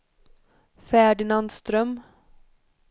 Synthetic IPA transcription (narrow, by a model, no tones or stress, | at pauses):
fæːɖɪnanst̪ɾœm